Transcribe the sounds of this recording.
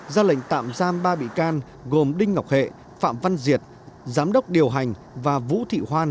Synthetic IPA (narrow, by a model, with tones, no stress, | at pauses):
zaː˧lə̰˧˨jŋ̟t̪a̰ː˧˨mzaː˧mɓaː˧ɓḭ˧˨kaː˧n | ɣo˨˩mɗï˧ŋ̟ŋa˨˩wk͡p̚hḛ˧˨ | fa̰ː˧˨mva˧nzi˨˩ət̚ | zaː˨˦mɗə˦˥wk͡p̚ɗi˨˩əwɦa˨˩jŋ̟ | vaː˨˩vṵ˧˥t̪ʰḭ˧˨ɦwaː˧